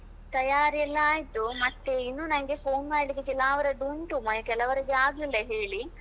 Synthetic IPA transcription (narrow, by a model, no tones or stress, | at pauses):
t̪ɐjaːɾijɐlːɐaːjt̪umɐt̪ːe̞inːunɐŋɡe̞pʰoːnmaːɖlikːekɛlaːʋɐɾɐɖuːɳʈumɐkɛlɐʋɐɾiɡeaːɡlilːɐɦeːɭi